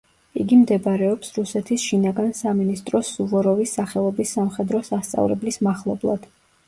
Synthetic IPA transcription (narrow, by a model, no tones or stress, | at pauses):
iɡimd̪ɛbɾɛɔpsɾusɛt̪ʰisʃinaɡansaminist̪ʼɾɔsuvɔɾɔvisːaχɛlˠɔbisːamχɛd̪ɾɔsast̪sʼa̰vlɛ̰blismaχlˠɔblˠa̰d̪̥